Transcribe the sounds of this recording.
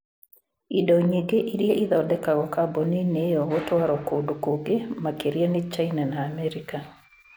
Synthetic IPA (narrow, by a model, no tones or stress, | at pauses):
idɔɲiɡeʔiɾjeʔiðɔdɛkaɣɔkabɔninejɔotwaɾɔkoːdokoɡemakeɾianet͡ʃainanaːmɛɾika